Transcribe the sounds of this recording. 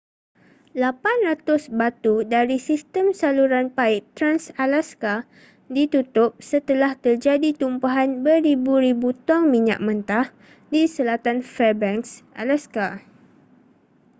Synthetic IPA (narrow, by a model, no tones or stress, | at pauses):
lapanrat̪ʊsbat̪udaɾisist̪əmsaluɾanpaɪʔt̪ɾansalaska | dit̪ut̪ʊp̚sət̪əlaht̪ərd͡ʒadit̪umpaɦanbəɾibuɾibut̪ɔŋmĩɲa̰ʔ̚mə̃nt̪ah | disəlat̪anfɛbɛŋksʔa̰laska